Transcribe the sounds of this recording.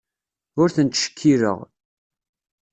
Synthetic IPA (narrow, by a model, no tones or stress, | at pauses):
ʊɾθənt̪ʃə̥kʰːiɾə̰ʁ